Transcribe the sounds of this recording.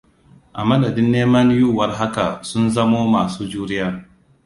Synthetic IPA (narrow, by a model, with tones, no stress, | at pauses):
ʔa˨mɐ˦dɐ˨dɪ˦nːeː˦mɐ˦njuː˦˨wɐ˦rɦa˦ka̰˨sʊ˦nzɐ˦moː˦maː˨suː˦d͡ʒuː˦ɾɪ˦jaː˦